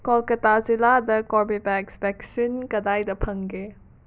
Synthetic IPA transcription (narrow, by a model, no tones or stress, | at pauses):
kɔlkɐtaziladɐkɔɾbibɛksbɛksinkɐdajdɐpʰɐŋɡe